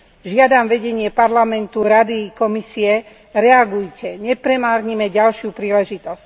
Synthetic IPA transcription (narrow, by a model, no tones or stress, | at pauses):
ʒɪad̪amʋɛɟɛɲɪɛpaɾlamɛnt̪uɾad̪ikɔmisiɛ | ɾɛaɡujcɛɲɛpɾɛmaːɾɲimɛɟalʃjupɾiːlɛʒit̪ɔsc